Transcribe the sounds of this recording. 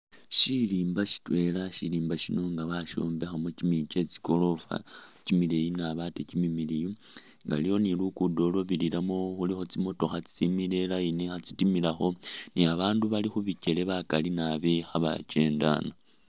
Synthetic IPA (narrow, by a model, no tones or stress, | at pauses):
ʃiliːmbaʃi̥twe̞laʃiliːmbaʃino̞ŋɡaβaʃo̞̰ːmbe̞xamucimit͡ʃe̞t͡si̥ko̞lo̞fa̰cimilejinaβatecimimiliju | ŋɡa̰lijo̞nilukudo̞lo̞βiliɾamoxulixo̞t͡simo̞to̞xat͡si̥t͡simile̞lainexat͡sitimilaxo̞niaβaːnduβalixuβice̞le̞βakalinaβexaβa̰ce̞ːnda̰na